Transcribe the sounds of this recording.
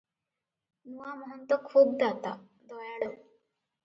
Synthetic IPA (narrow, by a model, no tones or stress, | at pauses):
nuamɔɦɔnt̪ɔkʰuːb̚d̪at̪a̰ | d̪ɔjaɽo